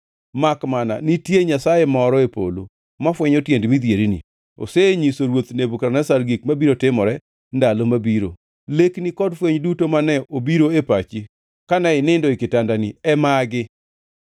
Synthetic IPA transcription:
makmana̰nitjeɲasajemɔɾɔepo̰lo̰ | mafwɛɲotjendmid̪jeɾinḭ | o̰seɲisoɾwot̪nebukaɾnasaɾɡik̚mabiɾotɪmɔɾɛ | ndalomabiɾo̰ | leknikɔdfweɲdutomanɛobiɾoepat͡ʃi | kanɛɪnɪndɔɪkɪtandanɪɛmaɡɪ

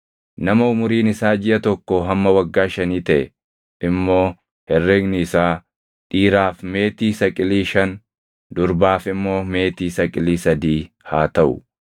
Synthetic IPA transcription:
nɐmɐʊmʊɾiːnɪsaːd͡ʒɪʔɐt̪ɔkːɔɦɐmːɐwɐɡːaːʃɐniːt̪ɐʔɛ | ʔɪmːo̞ː | hɛrːɛɡnɪːsaː | ᶑiːɾaːfme̞ːt̪iːsɐkʼɪliːʃɐn | d̪ʊɾbaːfɪmːo̞ːme̞ːt̪iːsɐkʼɪliːsɐd̪iː | haːt̪ɐʔʊ̰

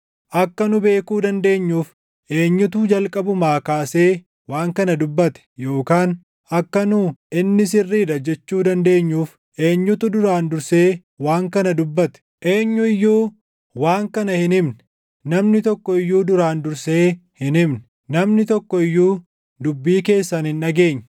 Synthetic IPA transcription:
ʔɐkːɐnʊbe̞ːkuːd̪ɐnd̪e̞ːɲːuːf | ʔe̞ːɲːʊt̪uːd͡ʒɐlkʼɐbʊmaːkaːse̞ː | waːŋkɐnɐd̪ʊbːɐt̪ɛ̥jo̞ːkaːn | ʔɐkːɐnʊʔɪnːɪs̬ɪrːiːd̪ɐd͡ʒɛt͡ʃːuːd̪ɐnd̪e̞ːɲːuːf | ʔe̞ːɲːʊt̪ʊd̪ʊɾaːnd̪ʊɾse̞ː | waːŋkɐnɐd̪ʊbːɐt̪ɛ̥ʔe̞ːɲːʊɪjːuː | waːŋkɐnɐhɪnɪmnɛ | nɐmnɪt̪ɔkːɔɪjːuːd̪ʊɾaːnd̪ʊɾseːhɪnɪmnɛ̥ | nɐmnɪt̪ɔkːɔɪjːuː | d̪ʊbːiːke̞ːsːɐnɪnːɐɡe̞ːɲː

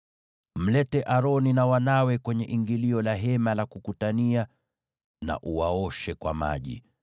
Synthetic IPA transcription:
m̩lɛtɛʔaɾɔninawanawɛkwɛɲɛʔiŋɡiliɔlaɦɛmalakukutania | na̰ʔuwaɔʃɛkwa̰ma̰ʄḭ

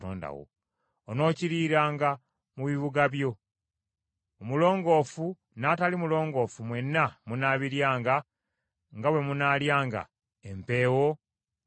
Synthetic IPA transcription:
o̰ːnda̰wo̰ | ono̞ːciɾiːɾaːŋɡa | muβiβuɡaβjo̞ | omulo̞ːŋɡo̞ːfu | natalimulo̞ːŋɡo̞ːfumwe̞nːamunaːβiɾjaːŋɡa | ŋɡawe̞munaːljaːŋɡa̰ | empe̞ːwo̞

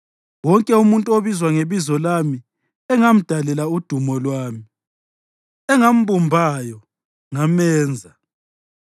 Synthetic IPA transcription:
wɔŋkʼɛumuntʼuoβizwaŋeβizɔlami | ɛŋam̩d̥ʱalɛlaud̥ʱumɔlwaːmi | ɛŋam̩bumbʱajɔ | ŋamɛːnd͡zʱa

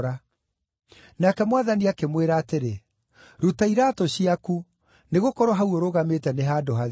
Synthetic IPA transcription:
ɾa | naːkɛmowaðaniakemweɾaːteɾe | ɾutaiɾaːtoɕiaku | neɣokɔɾɔɦauoɾoɣametɛneɦaːdoɦað

